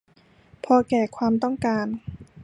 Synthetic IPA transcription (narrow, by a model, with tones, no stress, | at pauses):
pʰɔː˧kɛː˧˩kʰwaː˧mt̪ɔ˥˩ŋkaː˧n